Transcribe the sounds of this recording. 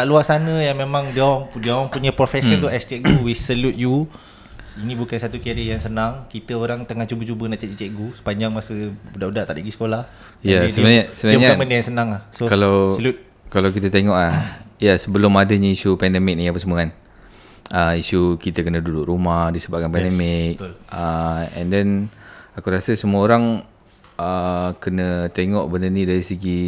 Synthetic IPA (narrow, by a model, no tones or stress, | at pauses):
t̪aʔluasanə̃jaŋmẽmãŋdiaŋdiaŋpuɲəpɾofɛsət̪uɛst͡ʃɛʔɡuwisəlut̪̚ju | inĩbukansat̪ukiaɾəjaŋsənaŋkit̪əoɾaŋt̪əŋaht͡ʃubət͡ʃubənaʔt͡ʃaʔt͡ʃət͡ʃɛʔɡusə̥paɲd͡ʒaŋmasəudaʔudaʔt̪aʔiɡisə̥kolah | jadəbnasəbənɲaməndəjaŋsənaŋahsokalawəlut̪̚ | kalawk̬it̪ət̪eŋɔʔlahjasəbəlʊmadəɲaisupɛndɛmɪk̚njãpəsəmuan | əisukit̪əkənədudʊʔrumahdisəbap̚kanpɛndɛmɪk̚t̪ləɛ̰̃ndɛnakuɾasəsəmuəoɾaŋ | əkənət̪eŋɔʔbənənĩdaɾisəɡi